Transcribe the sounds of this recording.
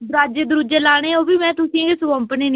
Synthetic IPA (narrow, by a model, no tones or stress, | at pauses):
bɾaːd͡ʒed̪ʊɾud͡ʒeːlaːɽ̃eːoːbiːmɛ̃ːt̪ʊsĩːɡeːsʊʋə̃mpəneːn